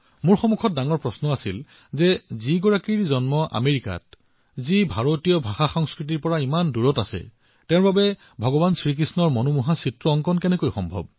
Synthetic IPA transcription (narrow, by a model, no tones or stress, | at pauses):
mʊɹxɔmukʰɔt̚daŋɔɹpɹɔsnɔasil | zɛziɡɔɹakiɹzɔnmɔʔa̰meɹika̰t | zibʱaɹotijɔbʱaxaxɔŋskɹit̬iɹpɔɹaimanduɹɔta̰sɛ̰ | tɛ̃babɛ | bʱɔɡɔbansɹik̬ɹisnɔɹmɔnumuɦasitɹɔːŋkɔnkɛnɛkojxɔmbʱɔ̰b̚